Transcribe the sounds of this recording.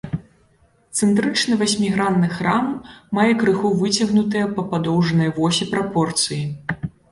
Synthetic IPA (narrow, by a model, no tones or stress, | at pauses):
t̪sɨnt̪ɾɨt͡ʂnɨvasʲmʲiɣɾanːɨxramːajɛkɾɨxuvɨt͡sʲɐɣnut̪ɨjɐpɐpad̪ɔwʐɐnɐjɐvɔsʲipɾapɔrt̪sɨji